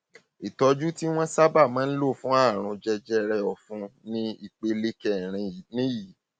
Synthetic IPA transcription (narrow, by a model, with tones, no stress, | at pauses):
i˨tɔ˧d͡ʒu˦ti˦w̃ɔ̃˦sa˦ba˦˨mãː˨˦n̩˦lo˦˨fũ˦a˦˨ɾ̃ũ˧d͡ʒɛ˧d͡ʒɛ˦ɾɛ˧ɔ˨fũ˧˦nĩ˦i˧˨k͡pe˧le˦kɛ˦˨ɾ̃ĩ˧˨nĩ˨˦ji˨